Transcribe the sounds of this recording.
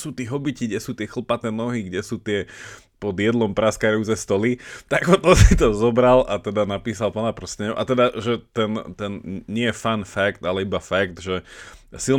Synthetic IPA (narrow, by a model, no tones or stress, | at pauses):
suːt̪iɦɔbiciɡɟɛsuːt̪ɪɛxl̩pat̪ɛnɔɦiɡɟɛsuːt̪ɪɛ | pɔd̪jɛd̪lɔmpɾaskaɾut͡sɛst̪ɔlit̪aɡɔt̪ɔsit̪ɔzɔbɾalʔat̪ɛd̪anapiːsalpɔnapɾr̩sɛɲɔʔat̪ɛd̪aʒɛt̪ɛnt̪ɛnɲɪɛjɛfanfakt̪alɛibafakt̪ʒɛsil